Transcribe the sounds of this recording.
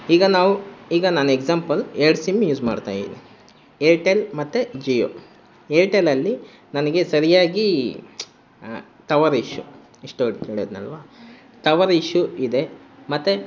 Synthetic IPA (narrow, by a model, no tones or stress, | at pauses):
iːɡɐnaːʋuiːɡɐnaːnueɡzaːmpɐleɾɽsimːjuːd͡ʒma̰ːɽt̪a̰ːjinḭ | eʈelmɐt̪ːed͡ʒijo̰ː | elʈelɐlːi | nɐnɐɡe̞sɐɾijaːɡi | t̪ɐʋɐɾiʃju | iʂʈoɽikeːɽoːd̪nɐ̰lʋaː | t̪ɐʋɐɾiʃːuid̪e̞mɐt̪ːe